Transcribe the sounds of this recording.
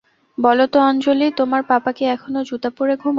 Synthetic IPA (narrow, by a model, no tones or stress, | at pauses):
bɔlot̪oɔnt͡ɕolit̪omaɾpapakeɛkʰonod͡ʑut̪apuɾeɡʱum